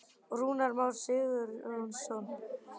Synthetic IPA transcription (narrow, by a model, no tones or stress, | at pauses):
ruːnaɾmawɾ̥sɪðʏɾɔnsɔn